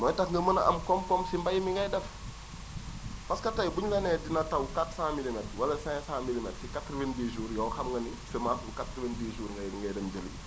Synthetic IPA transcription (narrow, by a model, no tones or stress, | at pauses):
mɔjtakŋɡɐmənɐʔɐ̰mkɔmkɔmsimbajmiŋɡɐjdɛf | paskɐtajbuɲɡɐnɛdinɐtɐwkatsãːmilimɛt̚wɐlɐsãsãːmilimɛtsikatɾvendiʒuːɾjɔːxɐmŋɡɐnisɛmafukatɾivendiʒuːɾŋɡɐjdiŋɡɐjdɛmd͡ʒəlḭ